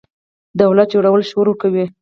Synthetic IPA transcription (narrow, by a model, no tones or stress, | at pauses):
d̪awlat̪̚d͡ʒoɽawəlʃwoɾokawi